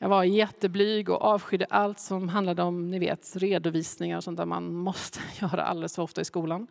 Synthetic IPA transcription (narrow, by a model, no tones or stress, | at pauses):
jɑːɡvaɾjɛt̪ːəblyːɡɔ̰ʔɑːvɧʏd̪ːəʔalt̪sɔmɦand̪lad̪əɔmnɪvḛːt̪ɾeːd̪ʊviːsnɪŋaɾɔsɔnt̪æːɾma̰nmɔst̪ʰə̥jœːɾa̰ʔa̰lɛləsfɔɔft̪aɪskuːlan